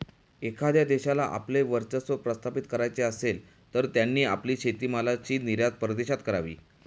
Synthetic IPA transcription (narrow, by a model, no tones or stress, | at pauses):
ekʰad̪jad̪eɕalaʔa̰pleʋəɾt͡səsʋəpɾəst̪ʰapit̪kəɾajt͡seəsel | t̪əɾt̪janːiːa̰pliːɕʰet̪iːmalat͡ɕiːniɾjad͡z̪pɾəd̪eɕat̪kəɾaʋḭː